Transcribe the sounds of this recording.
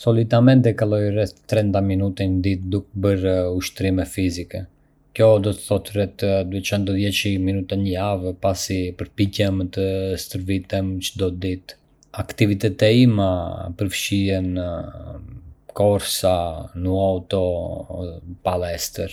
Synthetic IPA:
sɔlit̪amɛnt̪ɛkalɔjrɛθt̪ɾɛnt̪aminut̪ɛnəd̪it̪̚d̪ukbəɾuʃt̪ɾimɛfizikɛ | kjɔd̪ɔt̪ə̥θɔt̪rɛt̪d̪uɛt͡ʃɔnd̪ɔðjɛt͡ʃiminut̪anəjavpasipəɾpicɛmət̪əst̪əɾvit̪əmt͡ʃəd̪ɔt̪d̪it̪ | akt̪ivit̪ɛt̪ɛimapəɾfʃiɛn | kɔɾsanuawt̪ɔ | palɛst̪əɾ

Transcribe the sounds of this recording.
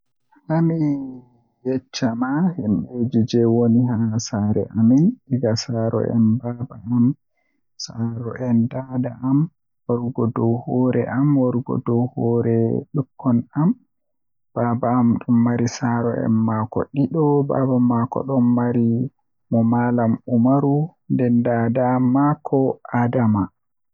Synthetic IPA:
hami | jɛt͡ʃːamahimɓed͡ʒid͡ʒɛwoniɦasaɾɛ̰ʔaminiɡasaɾɔ̰ɛ̰nbabaam | saɾɔʔɛndadaʔam | wɔɾɡɔdɔwhɔːɾɛ̰ʔamwɔɾɡɔ̰dɔwhɔɾɛɗukʰːɔnam | b̥aːbaːmɗumːaɾisaɾɔʔɛ̰nmakɔ̰ɗiɗɔba̰bamakɔ̰ɗɔnːaɾi | mɔmalamumaɾundɛndadamakʰɔadama

